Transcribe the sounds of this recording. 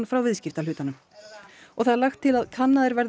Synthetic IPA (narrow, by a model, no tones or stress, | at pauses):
nfɾawvɪðscɪft̪alʏːt̪anʏm | ɔɣθaðaɾlaxt̪ʰːɪlaðkʰanːaðɪɾvɛɾ